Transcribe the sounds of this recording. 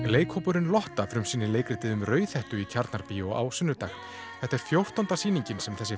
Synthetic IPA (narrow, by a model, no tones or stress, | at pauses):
leːjkʰhowpʏɾɪnlɔht̪afɾʏmsiːnːɪleːjkɾɪt̪ɪðʏmrœːɥθɛht̪ʏicʰaɾt̪naɾpiɔɣa̰wsʏnːʏt̪axn | θɛht̪ɛɾ̥fjowr̥t̪ant̪asiːniɲcɪnsɛmθɛsːɪ